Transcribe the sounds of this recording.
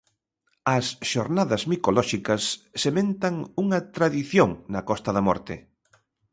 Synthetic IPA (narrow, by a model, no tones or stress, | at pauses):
ɐsʃoɾnaðɐzmikolɔʃikɐsːemẽnt̪ɐŋuŋɐt̪ɾaðiθjoŋnɐkɔst̪ɐðɐmɔ̰ɾt̪ɪ̰